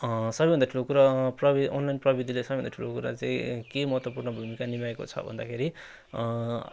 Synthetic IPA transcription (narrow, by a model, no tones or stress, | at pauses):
sʌbʌjbʱʌndaʈʰulokuɾaprʌbiʔonlajnprʌbid̪ʱilesʌbʌjbʱʌnd̪aʈʰulokuɾa̰t͡saĩkemʌɦʌt̪wʌpurnʌbʱumikanimaeko̰t͡sʰʌ̰bʱʌ̰nd̪a̰kʰeɾi